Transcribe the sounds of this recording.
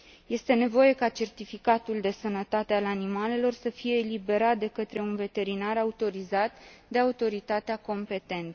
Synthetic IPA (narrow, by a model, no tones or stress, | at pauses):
je̞st̪e̞ne̞vo̞je̞kat͡ʃe̞rt̪ifikat̪uld̪e̞sənət̪at̪e̞alanimale̞lo̞rsəfije̞ːlibe̞ɾat̪̚d̪e̞kət̪ɾe̞unve̞t̪e̞ɾinaɾaut̪o̞ɾizat̪d̪e̞aut̪o̞ɾit̪at̪eako̞mpe̞t̪e̞nt̪